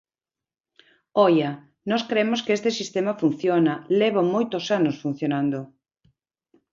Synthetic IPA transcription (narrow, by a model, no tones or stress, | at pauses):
ɔjɐ | nɔskɾemoskest̪esist̪emɐfun̟θjonɐleβomojt̪osanosfun̟θjonand̪o